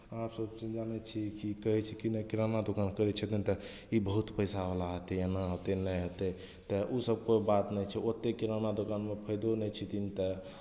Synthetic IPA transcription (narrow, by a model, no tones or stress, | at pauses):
apsəbt͡ʃind͡ʒanɛt͡ʃʰikikəɦɛt͡ʃʰikinəkiɾanad̪okankəɾɛt͡ʃʰət̪int̪ə | ibəɦut̪pəjsabəlaɦət̪ɛjanaɦot̪enəɦət̪e | t̪əʔusəb̚kojbat̪nɛt͡ʃʰɛot̪ːekiɾanad̪okanmepʰəjd̪onɛt͡ʃʰit̪int̪ə